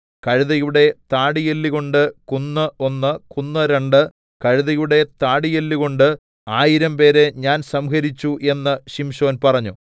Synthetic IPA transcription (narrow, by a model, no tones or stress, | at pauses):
kɐɻiðɐjuɽe̞t̪aːɽijelːiɣo̞ɳɖɨkunːɨʔo̞nːɨkunːɐɾeɳɖɨ | kɐɻiðɐjuɽe̞t̪aːɽijelːiɣo̞ɳɖɨ | aːjiɾɐmpe̞ːɾe̞ɲaːnsɐmkɐɾit͡ɕːuʔe̞nːɨɕimɕo̞ːnpɐrɐɲːu